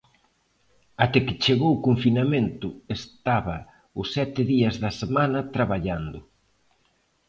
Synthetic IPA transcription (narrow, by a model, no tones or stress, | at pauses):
at̪ɛkɪt͡ʃeɣowkoɱfinament̪ʊest̪aβɐ | ʊsːɛt̪ɪðiɐzðɐsemanɐt̪ɾaβaʎand̪ʊ